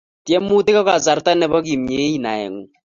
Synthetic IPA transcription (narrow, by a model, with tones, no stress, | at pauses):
tjɛ˦mu˦te˦kɔ˦ka˨za˨ɾta˦nɛ˦bɔ˦ki˨mɲe˨˦i˦˨na̰˨ɛ̰˨ŋu˨